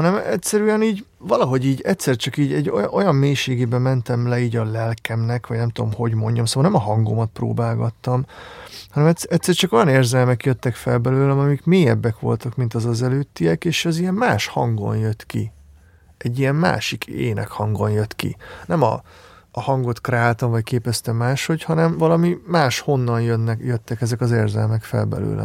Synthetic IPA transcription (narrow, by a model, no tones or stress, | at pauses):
hɒnɛmɛ̰tʲsɛɾyɛniːɟ | vɒlɒɦo̞ɟiːɟɛt̪sɛrt͡ʃɒkiːɟɛɟːojʔo̞jɒmːeːʃeːɡeːbɛmɛnt̪ɛmlɛiːɟɒlɛlkɛmnɛkʋɒɟnɛmt̪ud̪o̞mho̞ɟmo̞ɲɟɒmsoːʋɒlnɛmɒɦɒŋɡo̰mɒt̪̚pro̰ːbaːlɡɒt̪ːɒmhɒnɛmɛtɛct̪sːɛrt͡ʃɒko̞jɒneːrzɛlmɛkjøt̪ːɛkfɛlbɛløːlɛɒmikmeːjɛbːɛkʋo̞̰lt̪ɒkmint̪ɒzɒzɛløːt̪ːiɛkeːʃɛzijɛmmaːʃhɒ̰ŋɡo̞̰njøt̪kḭ | ʔɛɟːijɛmma̰ːʃikʰḛːnɛ̰khɒŋɡo̞njøt̪kḭnɛmɒ̰ː | hɒŋɡo̞t̪krɛaːlt̪ɒɱvɒckeːpɛst̪ɛmaːʃho̞chɒnɛmvɒlɒmimaːʃho̞nːɒnjønːɛjøt̪ːɛkɛzɛkɒzeːrzɛlmɛkfɛ̰lbɛ̰lø̰ːlʔɛ̰